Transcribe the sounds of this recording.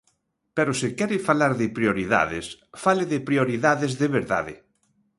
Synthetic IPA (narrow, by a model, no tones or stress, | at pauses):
pɛɾosɪkɛɾɪfalaɾðɪpɾioɾiða̰ðɪ̰sfalɪðɪpɾioɾiðaðɪzðɪβeɾða̰ðɪ̰